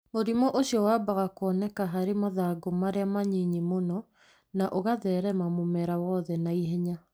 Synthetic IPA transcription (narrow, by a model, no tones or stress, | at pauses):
moɾimɔʔoɕiɔwabaɣakwɔnɛkaɦaɾemaðaɡomaɾeamaɲiɲimonɔ | naʔoɣaðɛːɾɛmamomɛɾawɔðɛnaiɦɛɲa